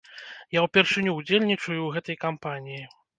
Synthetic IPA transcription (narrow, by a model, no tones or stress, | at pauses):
jawpʲɛrʂɨnʲuːd͡zʲelʲnʲit͡ʂɐjuɣɛt̪ɐjkampanʲiji